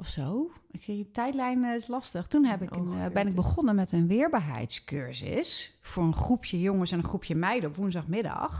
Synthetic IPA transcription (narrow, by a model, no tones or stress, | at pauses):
ʔɔfsoːɪkfɪnətɛjtlɛjnslɑstəxtunhɛpɪkənbɪnɪɡ̚bəɣɔnənmɛtənʋɪəɹbaːɹɦɛ̰jtskøɹsɪ̰sfʊɹənχrupʰjəjoŋəsɛnəχrupʰjəmɛjdəɔpʋunzdɑxmɪdɑ̰x